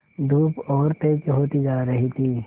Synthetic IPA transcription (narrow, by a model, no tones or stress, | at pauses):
d̪uːpɔːɾt̪eːd͡ʒɦoːt̪id͡ʒaːɾəɦit̪ʰiː